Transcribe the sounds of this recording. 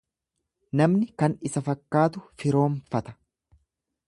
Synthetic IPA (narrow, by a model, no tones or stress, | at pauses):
nɐmnɪkɐnɪsɐfɐkːaːt̪ʊfɪɾo̞ːɱfɐt̪ɐ̥